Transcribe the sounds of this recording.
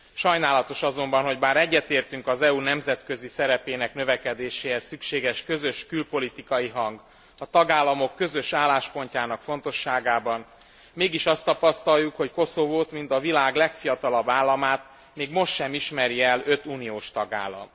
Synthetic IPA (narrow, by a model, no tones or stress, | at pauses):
ʃɒjnaːlɒt̪o̞ʃɒzo̞mbɒnɦo̞ɟbaːɾɛɟːɛt̪eːrt̪yŋkɒzɛunɛmzɛt̪kø̞zisɛɾɛpeːnɛknøvɛkɛd̪eːʃeːɛsykʃeːɡɛʃkø̞zøʃkylpo̞lit̪ikɒjiɦɒŋɡ | ɒt̪ɒɡaːlːɒmo̞kːøzø̞ʃaːlːaːʃpo̞ɲcaːnɒkfo̞n̪t̪o̞ʃːaːɡaːbɒn | meːɡiʃɒst̪ɒpɒst̪ɒjːukho̞cko̞sovoːt̪mint̪ɒvilaːɡlɛkfijɒt̪ɒlɒbːaːlːɒmaːt̪ | meːɡmo̞ʃt̪ʃɛmiʃmɛɾiɛlø̞t̪uːnijoːʃt̪ɒɡa̰ːlːɒ̰m